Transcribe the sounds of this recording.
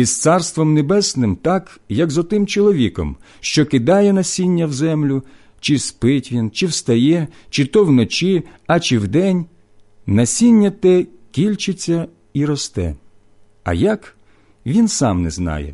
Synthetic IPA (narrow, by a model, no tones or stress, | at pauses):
ist̪sɑrst̪ʋɔmnebɛsnɪmt̪ɑkjɐkzɔt̪ɪmt͡ʃɔlˠɔʋʲikɔ̰m | ʃt͡ʃɔkɪd̪ɑjɛnɐsʲinʲːɐwzɛmlʲʊ | t͡ʃɪspɪtʲʋʲint͡ʃɪwst̪ɐjɛt͡ʃɪt̪ɔwnɔt͡ʃiɐt͡ʃiɪwd̪ɛnʲ | nɐsʲinʲːɐt̪ɛ | kʲilʲt͡ʃɪt͡sʲːɐ | iɾɔst̪ɛ̰ | ɐ̰jɐk | ʋʲinsɑmnɛ̰znɑ̰jɛ̰